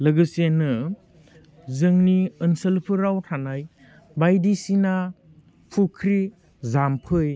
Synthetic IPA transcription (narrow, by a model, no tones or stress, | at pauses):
lɐɡɯsenːɯ | zɯŋniɯnsəlpʰɯɾawtʰanaj | bajdisina | pʰukʰɾi | zampʰɯj